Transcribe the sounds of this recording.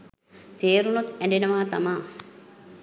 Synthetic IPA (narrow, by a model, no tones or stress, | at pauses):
t̪eːɾunut̪ɛɳɖinɐʋaːt̪ɐ̰ma